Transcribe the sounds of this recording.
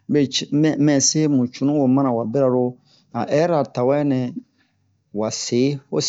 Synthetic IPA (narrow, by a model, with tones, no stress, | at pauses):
be˨mɛ̃˨se˦mũ˨t͡ʃu˨nũ˦wo˨mã˦nã˨wa˨be˦ɾa˨ɾo˦ | a˨ʔɛ˦ɾa˨ta˨wɛ˦nɛ̃˨ | wa˨se˨˦o̰˦s